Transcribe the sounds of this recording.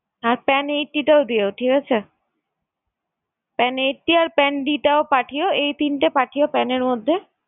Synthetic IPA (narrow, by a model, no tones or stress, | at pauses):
aɾpɛnejʈʈːiʈaod̪iooʈʰikat͡ɕʰe | pɛnejʈːiaɾpɛnɖiʈaopaʈʰijoejt̪inʈapaʈʰijopɛneɾmod̪ʱːe